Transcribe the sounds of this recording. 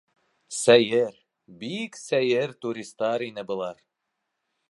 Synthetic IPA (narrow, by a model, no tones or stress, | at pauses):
sæjɘɾ | biksæjɘɾt̪uɾʲist̪ɑɾinɘbɤ̆lˠɑɾ